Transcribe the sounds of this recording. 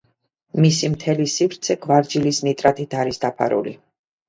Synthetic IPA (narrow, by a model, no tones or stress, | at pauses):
misimt̪ʰɛlisivɾt̪sʰɛɡvaɾd͡ʒilisnit̪ʼɾat̪ʰit̪ʰaɾisd̪apʰa̰ɾṵlḭ